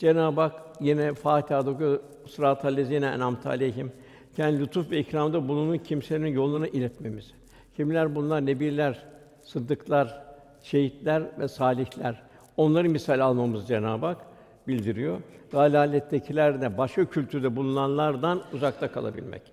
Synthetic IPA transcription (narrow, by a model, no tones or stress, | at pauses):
d͡ʒenaːbakjinɛfaːt̪ʰaːd̪okujo | sɾaːt̪ʰalʲezjinɛɛ̰namt̪ʰaa̰lʲejɦim | cʰɛnd̪ilʲut̪ʰufvɛicɾamd̪abunˠununcʰimselʲininjo̞lˠːunaʔilʲɛt̪me̞miz̥ | cʰimlʲæɾbunlˠaɾne̞biɾlʲæɾ | sɯd̪ːɯklˠaɾ | ʃʰe̞jit̪lʲæɾvɛsaːlʲiçlʲæɾ | o̞nlˠaɾɯmisalʲalˠmamɯzd͡ʒenaːbak | bilʲd̪iɾijoɾɡaːlʲaːlʲːɛt̪ʰːecʰilʲæɾd̪ɛbaʃkacʰylʲt̪ʰyɾd̪ɛbulˠunanlˠaɾd̪anuzak̚t̪ʰakʰalˠa̰bḭlʲmɛ̰c